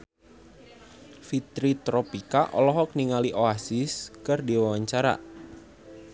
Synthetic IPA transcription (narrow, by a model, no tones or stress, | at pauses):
fit̪ɾit̪ɾɔpikaʔɔ̰lɔɦɔk̚niŋaliʔoasɪskərdiwawaɲt͡ʃaɾa̰